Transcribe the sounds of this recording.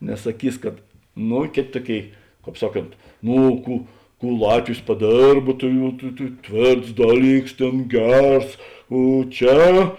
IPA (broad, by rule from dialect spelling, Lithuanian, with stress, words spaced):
nʲɛs sɐˈkʲiːs kɐt ˈnoː ˈkʲeːtʲ ˈtuɔˌkʲeːɪ ˈkɑːp ˈsɑːˌkoːnt ˈnoː ˈkuː ˈkuː ˈlˠɑːtʲʋʲɪs pɐˈdʲeːrp tɐɪ jɛʊ tɐɪ tɐɪ ˈtʲʋʲeːrts ˈdɑːˌlʲiːks ˈtʲeːn ˈɡʲɛrs oː ˈt͡ʃʲɛ